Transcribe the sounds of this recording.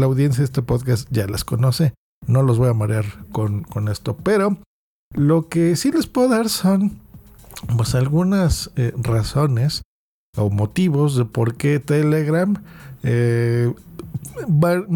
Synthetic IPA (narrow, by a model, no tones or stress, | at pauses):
lawðje̞ns̬jaðest̪epo̞ðkast̪ɟ͡ʝala̰sko̞no̞se̞ | no̞lo̞zβojamaɾjaɾkonko̞ne̞st̪o̞pe̞ɾo̞ | lo̞ke̞sile̞spweðoðaɾso̞n | pwe̞salɣunaseraso̞ne̞s | o̞mo̞t̪iβo̞zðe̞po̞ɾke̞t̪eleɣɾame | ba